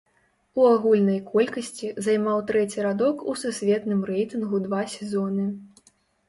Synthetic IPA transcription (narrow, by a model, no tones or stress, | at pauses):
uaɣulʲnɐjkʰɔlʲkɐsʲt͡sʲizajmawt̪ɾɛt͡sʲiɾad̪ɔkususʲvʲɛt̪nɨmrɛjt̪ɨnɣud̪vasʲɛzɔnɨ